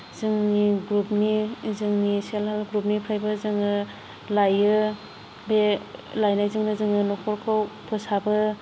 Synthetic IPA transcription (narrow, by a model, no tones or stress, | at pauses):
zɯŋniɡɾup̚nizɯŋnisalalɡɾup̚nipʰɾajbɯzɯŋɯ | lajɯ | belajnajzɯŋnɯzɯŋɯnɔkʰɔɾkʰawpʰɔsabɯ